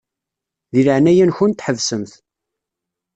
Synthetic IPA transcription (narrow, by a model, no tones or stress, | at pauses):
ðiləʕnæjænçunt̪ħəvsəmθ